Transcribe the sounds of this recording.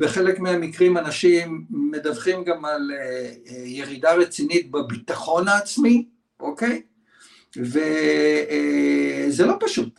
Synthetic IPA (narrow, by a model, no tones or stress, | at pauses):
beχe̞le̞kmiamikʁimanaʃimːe̞davχimɡamal | je̞ʁidaʁet͡sinit̚babit̪aχo̞naːt͡smi | ʔoke̞j | ve | zelo̞paʃut